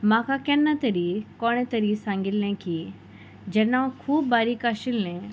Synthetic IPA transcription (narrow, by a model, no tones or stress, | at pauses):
mãːkʰakɛːnːat̪ɐɾikɔːɽ̃ẽt̪ɐɾisãːŋɡɪlnɛ̃ki | d͡ʒɐnãkʰuːbːaːɾikaːʃɪlnɛ̃